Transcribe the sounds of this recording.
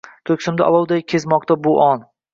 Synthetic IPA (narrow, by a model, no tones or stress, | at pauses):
t̪ʰɵkʲsɪmd̪ɪɒ̰lˠɒwd̪ajkʲʰezmɒqt̪abʊʔɒn